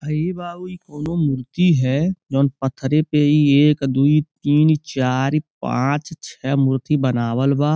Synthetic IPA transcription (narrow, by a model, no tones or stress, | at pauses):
əebaːuikoːnomʊɾt̪iɦɛd͡ʒoːnpət̪ʰːɾepeieːkd̪uːit̪iːnt͡ʃaːɾipã̰ːt͡ʃt͡ʃʰɛːmʊɾt̪ibənaːwəlbaː